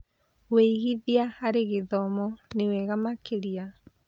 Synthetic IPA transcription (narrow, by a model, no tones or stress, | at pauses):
weiɣiðiahaɾeɣeðɔmɔneweɣamakʰeɾia